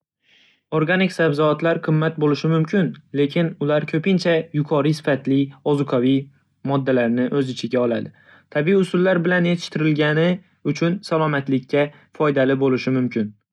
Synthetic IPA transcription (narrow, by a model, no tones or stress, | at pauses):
oɾɡanɪkʲsabzɒat̪laɾqʰɨmːat̪̚bolɪʃɪmʊmkʲʰɪnle̞kʲʰɪnʊlaɾkʲʰɵpɪnt͡ʃʰajʊkʰɒɾisɪ̥fat̪lɪɒzʊqʰɒvi | mɒd̪ːalaɾnɪʔɵzɪt͡ʃʰɪɡʲaɒlˠad̪ɪ | t̪ʰabiiʊsʊlːaɾbɪlanjet̪ʰɪ̥ʃt̪ɪɾɪlɡʲanɪ | ʊt͡ʃʰʊnsalˠɒmat̪lɪkʲːa | fɒjd̪alɪbolɪʃɪmʊmkʲʰɪn